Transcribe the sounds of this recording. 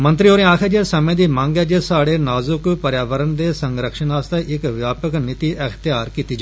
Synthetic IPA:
mə̃nt̪ɾioːɾẽːaːkʰeːd͡ʒesəmẽːd̪iːmãːŋɡeːd͡ʒesaːɽeːnaːzʊkpəɾjaːʋəɾənd̪eːsəŋɡɾəkʃənaːst̪aʔɪkʋjaːpəknɪt̪iːʔəkʰt̪ɪjaːɾkiːt̪iːd͡ʒa

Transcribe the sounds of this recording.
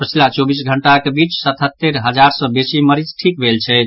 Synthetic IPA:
pət͡ʃʰilat͡ʃobisɡʱəɳʈakebit͡ʃsət̪ʰɦət̪ːeɾɦəd͡ʒaɾsə̃besiməɾid͡ʒʈʰik̚bʱelt͡ʃʰɛ

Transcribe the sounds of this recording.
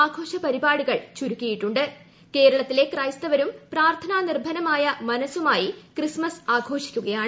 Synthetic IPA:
aːɡʱo̞ːʂɐpɐɾibaːɽuɣɐɭt͡ɕuɾukʲːijiʈːuɳɖɨ | ke̞ːɾɐɭɐt̪ːile̞krɐjst̪ɐʋɐɾumpraːrt̪ʰɐnaːnirbʱɐnɐmaːjɐmɐnɐsumaːjikrɨsmɐsaːɡʱo̞ːʂi̥kʲːuɣɐjaːɳɨ

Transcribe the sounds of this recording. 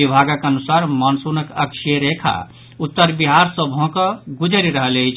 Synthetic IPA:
ibʱaɡəkənusaɾmənsunəkəkʃʰieɾekʰa̰ | ut̪ːəɾbiɦaɾsə̃bʱõkəɡud͡ʒʱəɾiɾəɦəleit͡ʃʰ

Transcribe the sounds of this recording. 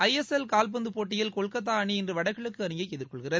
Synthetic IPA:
ɐɪɛsɛlkaːlp̬ɐnd̪ɯpoːʈːɪjɐlkɔɭkɐt̪̬ːaːɐɳiɪndrɯʋɐɽɐɪɣɐɭɯkkːɯɐnɯjɐɪɛðɪrkɔɭɣɪrɐð

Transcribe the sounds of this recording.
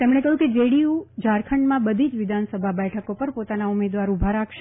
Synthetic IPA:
t̪emɳ̃ekəɦjũked͡ʒeɽiud͡ʒaɾkʰəɳɖmãbəd̪ʱid͡ʒʋɪd̪ʱansəbʱabɛʈʰəkopəɾpot̪anaumed̪ʋaɾubʱaɾakʰʃ

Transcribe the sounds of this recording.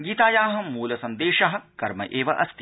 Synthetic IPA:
ɡiːt̪aːjaːɦɐ̆muːlɐsɐnd̪eːʃɐɦɐ̆kɐɾmɐ̰ʔeːʋɐʔɐst̪

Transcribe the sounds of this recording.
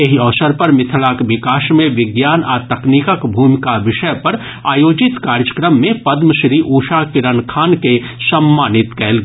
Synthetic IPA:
eɦiɔːʋsəɾpɐɾmɪt̪ʰlakʋɪkaːʃmẽʋɪɡjaːnaːt̪ɐkniːkəkbʱuːmɪkaʋɪʃəjpɐɾ | aːjoːd͡ʒɪt̪kaːɾjəkɾəmːẽpɐd̪məʃɾiːʔuːʃakɪɾənkʰaːnkesɐmːaːnɪt̪kɛːlɡ

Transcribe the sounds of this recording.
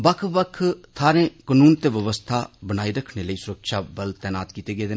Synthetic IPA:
ʋəkʰʋəkʰt̪ʰaːɾẽːkənuːnt̪eːʋəʋəst̪ʰaːbənaːiːɾəkʰneːləiːsʊɾəkʃaːbəlt̪ɛːnaːt̪kiːt̪eːɡeːd̪

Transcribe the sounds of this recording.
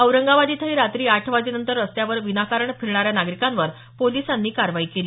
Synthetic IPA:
əwɾəŋɡaʋad̪iːt̪ʰəɦiːɾat̪ɾiːaʈʰʋad͡ziːnənt̪əɾəst̪jaʋəɾʋinakaɾəɳfʰiɾɳaɾjanaɡɾikãnʋəɾ | polisanːiːkaɾʋaiːkeliː

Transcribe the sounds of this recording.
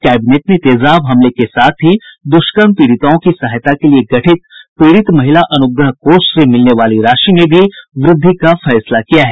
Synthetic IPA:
kɛːbɪneːʈnet̪eːzaːbɦɐmlekesaːt̪ʰɦid̪ʊʃkənpiːɽɪt̪aõkisɐɦjt̪akelieɡɐʈʰɪt̪pɾeːɽɪt̪mɐɦɪlaʔɐnʊɡɾəɦkoːssemɪlneʋaːliɾaːʃimẽbʱiʋɾɪd̪ʱːikafɛːslakijaɦɛː

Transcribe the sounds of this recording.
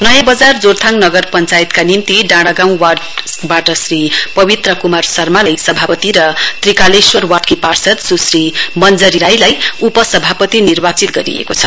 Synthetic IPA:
nʌjabʌd͡zard͡zort̪ʰaŋnʌɡʌrpʌnt͡sajit̪kanimt̪iɖãɽʌɡãw̃babaʈʌsripʌbit̪rʌkumarsʌrmalajsʌbʱapʌt̪iɾʌt̪rikaleswʌrwaʈkiparsʌt̪susrimʌnd͡zʌɾiɾajlajupʌsʌbʱapʌt̪inirbat͡sit̪̚ɡʌɾḭḛkot͡sʰʌ

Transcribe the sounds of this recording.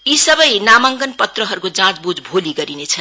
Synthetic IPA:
isʌbʌjnamaŋɡʌnpʌt̪rʌɦʌɾukod͡zãt͡sbud͡zbʱoliɡʌɾinet͡sʰʌ

